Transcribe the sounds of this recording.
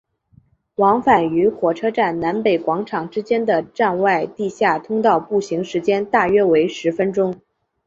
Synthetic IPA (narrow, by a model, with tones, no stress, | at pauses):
wɑ˧˥ŋfa˨˩ny˧˥xwɔ˨˩ʈ͡ʂʰɤ˥ʈ͡ʂa˥˩nna˧˥npe˨˩ɪkwɑ˧˥ŋʈ͡ʂʰɑ˨˩ŋʈ͡ʂɻ̩˥t͡ɕjɛ˥nd̪ə˨ʈ͡ʂa˥˧nwa˥˧ɪt̪i˥˧ɕja˥˩t̪ʰʊ˥ŋt̪ɑ˥˧ʊpu˥˩ɕi˧˥ŋʂɻ̩˧˥t͡ɕjɛ˥nt̪a˥˩ɥɛ˥we˧˥ɪʂɻ̩˧˥fə˥nʈ͡ʂʊ˥ŋ